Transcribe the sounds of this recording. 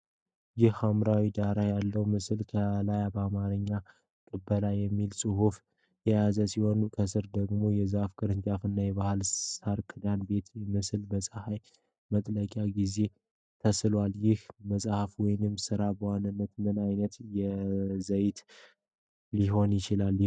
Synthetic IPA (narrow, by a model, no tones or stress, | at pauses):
jɪhamɾawid̪aɾajalːəwmɨslkʰəlajabəamaɾɨɲːa | kʼɨbːəlajɛmːilsʼɨɦuf | jɛjazəsiho̞nkʰəsɨɾd̪əɡmo̞jɛzafkʰʼɨɾɨnt͡ʃʼafɨnːajɛβahɨlsaɾkʰɨd̪anbe̞t̪mɨslbəsʼəhaj | mət̪ʼləkʼjaɡize̞ | t̪ʰəslwaljɪhməsʼahafwɔjnɨmsɨɾabəwanːɨnːət̪mɨnajnət̪jɛzəjt̪ | iɦo̞njɪt͡ʃɪlal